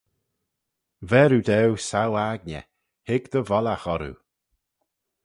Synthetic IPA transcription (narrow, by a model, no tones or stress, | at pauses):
vɛɾud̪ɛwsawaɡ̚nʲə̰ | hɪɡd̪̥əvɔlaxɔɾṵ